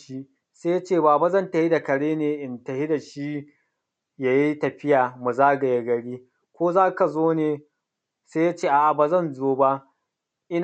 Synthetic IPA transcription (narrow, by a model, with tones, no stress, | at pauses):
ʃi˦ | seː˦ja˦t͡ʃeː˦˨baː˨ba˦zɐ˦˨ntɐ˨hi˦da˨kɐ˨ɽeː˦neː˨ʔɪ˨ntɐ˨hi˦da˨ʃi˦ | ja˦ji˦tɐ˨ɸɪ˦jaː˨mu˨zaː˦ɡɐ˨je˦ɡɐ˨ɽiː˦ | kʷoː˦zaː˦ka˨zoː˦neː˨ | seː˦ja˦t͡ʃeː˦˨ʔa˨ʔa˨baː˨zɐ˦˨nzoː˦ba˦ʔ | ʔɪ˦n